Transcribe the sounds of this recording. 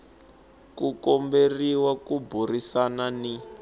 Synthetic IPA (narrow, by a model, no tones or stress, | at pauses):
kukɔmberiwakuburisanani